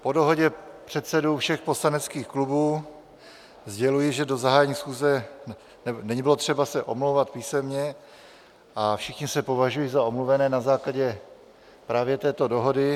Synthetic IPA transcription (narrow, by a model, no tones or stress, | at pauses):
po̞do̞ɦo̞ɟɛpr̝̥ɛt̪sɛdowfʃɛxpo̞slanɛt͡skiːxklubuː | zɟɛlujɪʒɛdo̞zaɦaːjɛɲiːsxuːzɛ | nɛnɛɲbɪlot̪r̝̥ɛbasɛʔo̞mlowvat̪piːsɛmɲɛ | ʔafʃɪxɲɪsɛpo̞vaʒujizaomluvɛnɛːnazaːklaɟɛ | pɾaːvjɛt̪ɛːt̪o̞do̞ɦodɪ